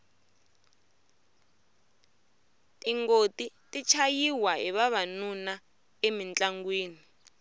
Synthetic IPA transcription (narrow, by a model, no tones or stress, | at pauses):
tʼiŋɡotitʼit͡ʃʰajiwaḭβaβanuna | emint͡ɬʼaŋɡwiːni